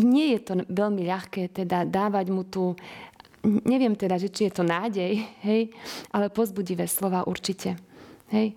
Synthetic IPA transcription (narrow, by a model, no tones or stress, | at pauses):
ɲɪɛjɛt̪ɔʋɛʎmiʎaxkɛːt̪ɛd̪ad̪aːʋaɟmut̪uː | ɲɛʋɪɛmt̪ɛd̪aʒɛt͡ʃijɛt̪ɔnaːɟɛjɦɛjʔalɛpɔzbuɟiʋɛːslɔʋaːʔuɾt͡ʃicɛɦɛj